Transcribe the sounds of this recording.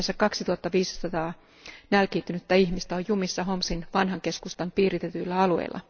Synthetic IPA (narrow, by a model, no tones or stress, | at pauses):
sːækɑksit̪uɑt̪ːɑʋiːssɑt̪ɑː | nælkiːt̪ynyt̪ːæiçmist̪æojjumisːɑɦomsinʋɑnɦɑŋkeskust̪ɑmpiːrit̪et̪yilːæɑluḛilːʔɑ̰